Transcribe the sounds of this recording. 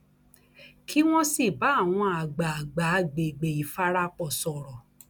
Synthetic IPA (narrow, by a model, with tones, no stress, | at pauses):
kʰi˦w̃ɔ̃˦si˦˨ba˨˦˨w̃ɔ̃˧a˨ɡ͡ba˨a˨ɡ͡ba˨˦ɡ͡be˨ɡ͡be˨i˨fa˦ɾa˦k͡pɔ˨sɔ˨ɾɔ˨